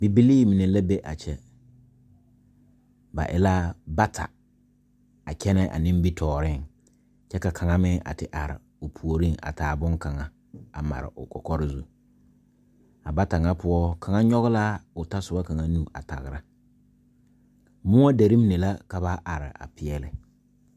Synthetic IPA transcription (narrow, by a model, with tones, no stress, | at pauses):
bi˨bi˦liː˦˨mi˨ne˨la˦bɛ˦ʔa̰˨t͡ʃɛ˦ | ba̰˨ʔɪ̰˦la˦ba˦tʰa̰˨ | a˨kʰɛ˦nɛ˦ʔa̰˨nɪ̃˦m˦bi˦tʰɔː˨ɾɪ˦ŋ | t͡ʃɛ˦ka˨kʰa˨ŋa˦mɪ˦ʔa̰˨tɪ˨ʔa˨ɾɪ̰˨ | ʊ˨pʰu˨o˨ɾɪ˦ŋa̰˨tʰaː˨bʊ˦ŋka˨ŋa˨ | a˨ma̰˨ɾɪ̰˨ʔʊ˨kɔ̰˨kɔ˦ɾɪ˦zu˨ | a˨ba˦ta˨ŋa˦pʰʊ˦ɔ˦kʰa˨ŋa˦ɲɔ˦ɣɪ˦la˦ʊ˨ta˦sʊ˨ba˦ka˨ŋa˦nu˦˨a̰˨ta̰˨ɣɪ˨ɾa˦ | mʊ˦a˦de˨ɾi˦m˦ne˨la˦ka˨ba˦ʔa˨ɾɪ̰˨a̰˨pɪ˨ɛ˦lɪ˦